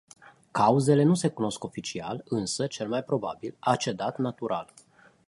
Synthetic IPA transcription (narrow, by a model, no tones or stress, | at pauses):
kauze̞le̞nuse̞kuno̞sko̞fit͡ʃia̰lɨnsət͡ʃe̞lmajpɾo̞ba̰bilat͡ʃe̞d̪at̪nat̪uɾʔal